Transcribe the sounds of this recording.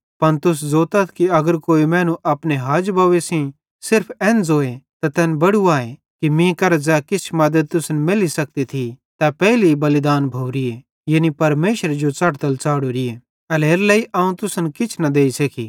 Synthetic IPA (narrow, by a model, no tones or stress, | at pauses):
pɐnt̪ʊs̬zoːt̪ɐt̪ʰkiɐɡəɾkoːimɛ̃ːnũʔɐpneɦaːd͡ʒbɐʋesĩ | sɪɾpʰɛːnd͡zoːet̪at̪ɛːnbɐɽuaːe | kimĩkɐɾd͡zɛːkɪt͡ʃʰmɐd̪əd̪̚t̪ʊsnmɪlisɐk̚t̪it̪ʰi | t̪apɛːlibɐlɪd̪aːnbʱoːɾɪje | jenipɐɾmeːʃəɾed͡ʒot͡sɐʈt̪əlt͡saːɽuɾɪje | ɐleːɾlɐiʔaːũt̪ʊsənkɪt͡ʃʰnɐd̪eːisekḭ